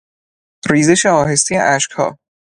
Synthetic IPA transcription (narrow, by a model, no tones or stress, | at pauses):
ɾiːzeʃeɒːɦe̞st̪ʰijḛʔæʃkhɒ̰ː